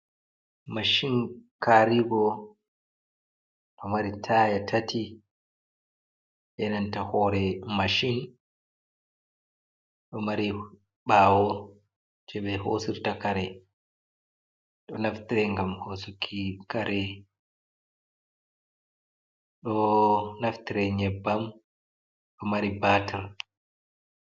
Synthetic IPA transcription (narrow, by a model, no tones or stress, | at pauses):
maʃinkaɾiɡɔ | ɗɔmaɾitʰajatʰatʰi | ʔɛnantahɔːɾɛmaʃin | ɗɔmaɾi | ɓaːwɔ | d͡ʒɛɓɛho̰siɾtakaɾɛ | ɗɔnaft̪iɾɛŋɡamhosukʰːikaɾɛ | ɗɔnaft̪iɾɛɲɛbːam | ɗɔmaɾibatʰɛɾ